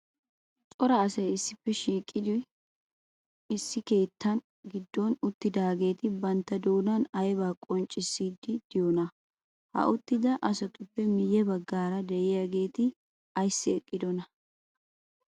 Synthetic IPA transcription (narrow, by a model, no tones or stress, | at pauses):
t͡sʼɔɾɐːsɐjɪsːɪpːɛʃiːkʼːɪd̪ɪ | ɪsːɪke̞ːt̪ːɐn | ɡɪd̪ːɔnʊt̪ːɪd̪aːɡe̞ːt̪ɪbɐnt̪ːɐd̪oːnɐnɐjbaːkʼɔnt͡ʃʼːɪsːiːd̪ɪd̪̥ɪjɔnɐ | hɐ̰ʔʊt̪ːɪd̪ɐʔɐsɐt̪ʊpːɛmɪjːɛbɐɡːaːɾɐd̪ɛʔɪjɐɡe̞ːt̪ɪ | ɐjsːɪɛkʼːɪd̪ɔnɐ